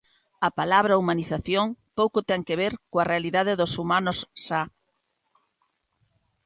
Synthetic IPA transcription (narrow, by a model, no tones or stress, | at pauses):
ɐpalaβɾɐumaniθaθjoŋpowkʊt̪ɛŋkeβ̞eɾkoɐrealiðaðɪðʊsumanʊsːa